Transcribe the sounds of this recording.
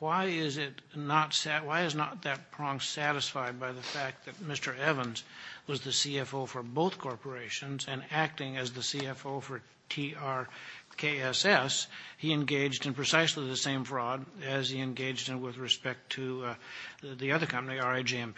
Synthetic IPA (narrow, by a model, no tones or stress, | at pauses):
waɪɪzɪtnətsæwaɪɨznət̪̚ðɨt̚pʰɹ̥ɑ̃ŋsæɾɨsfaɪd̚baɪðɨfæk̚t̪̚ðɨt̚mɪstə˞ɛvə̃nzwʌzðɨsiɛfoʊfə˞boʊθkʰɔɹpə˞eɪʃɨ̃nzɨ̃næk̚tɪ̃ŋɨzðɨsiɛfoʊfə˞ | tʰiɑɹkʰeɪɛsɛshiɨ̃nɡeɪd͡ʒdɨ̃npʰɹ̥ɨsaɪsliðɨsẽɪ̃ɱfɹɔdɨz̥iɨ̃nɡeɪd͡ʒd̚ɨ̃nwɪðɹɨspɛk̚tʰɨ | ðiʌðə˞kʰʌ̃mpəniɑɹeɪd͡ʒiɛ̃mp